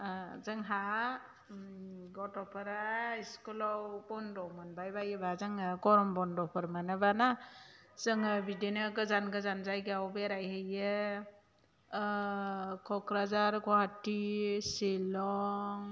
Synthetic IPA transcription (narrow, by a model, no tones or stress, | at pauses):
zɯŋɦa | ɡɔtɔpʰaɾaiskulɔwbɔndɔwmɯnbajbajɯbazɯŋaɡɔɾɔmbɔndɔpʰɯɾmanabana | z̥ɯŋabidenɯɡɯzanɡɯzanzajɡawbeɾajɦejɯ | kʰɔkɾazaɾɡɔɦatiselɔŋ